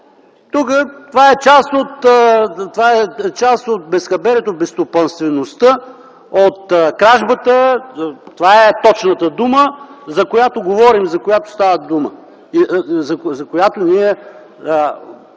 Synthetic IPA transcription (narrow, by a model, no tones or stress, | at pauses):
t̪ukət̪ovaɛt͡ʃast̪ot̪t̪ovaɛt͡ʃast̪ot̪̚bɛskɐbɛɾɛt̪obɛst̪opɐnst̪vɛnost̪ə | ot̪kɾaʒbət̪ə | t̪ovaɛt̪ɔt͡ʃnət̪əd̪uməzɐkojat̪oɡovɔɾimzɐkojat̪o̥st̪avəd̪umə | izɐzɐkojat̪oniɛ